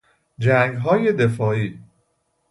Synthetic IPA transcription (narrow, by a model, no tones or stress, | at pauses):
d͡ʒæŋɡɦɒːje̞d̪e̞fɒːiː